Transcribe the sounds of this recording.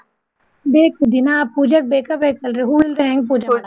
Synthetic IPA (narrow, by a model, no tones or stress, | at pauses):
beːkud̪inaːpuːd͡ʒɐk̚beːkɐbekɐlɾeɦuilsɛ̃ːŋɡ̚p̬uːd͡ʒɐ